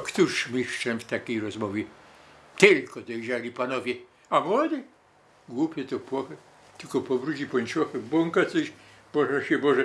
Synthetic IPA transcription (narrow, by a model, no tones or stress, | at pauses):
kt̪uʂmʲiʂt͡ʂɛnft̪akʲejɾɔzmɔvʲjɛt̪ɪlkɔd̪ɔjʒalʲipanɔvʲjɛ | amwɔd̪ɨ | ɡwupʲjɛt̪ɔpwɔxɛ | t̪ɪlkɔpɔvɾud͡ʑipɔnʲt͡ʃɔxɛbwɔŋkasɔɕ | b̥ɔʐɛɕɛbɔʐɛ